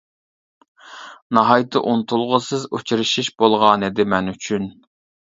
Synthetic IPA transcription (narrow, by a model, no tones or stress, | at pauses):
nɑɦɑjt̪ʰɨʔunɨt̪ʰulˠʁəsɨzut͡ʃʰiɾɨʃiʃb̥olˠʁɑnɨd̪ɪmɛnyt͡ʃʰyn